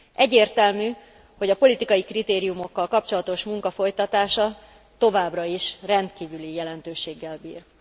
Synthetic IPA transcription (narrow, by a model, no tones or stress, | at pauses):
ʔɛɟːeːrt̪ɛlmyː | ho̞ɟɒpo̞lit̪ikɒjikrit̪eːɾijumo̞kːɒlkɒp̚t͡ʃo̞lɒt̪o̞ʃmuŋkɒfo̞jt̪ɒt̪aːʃɒ | t̪o̞vaːbrɒiʃrɛnt̪kiːvylijɛlɛnt̪øːʃeːɡːɛlbḭːr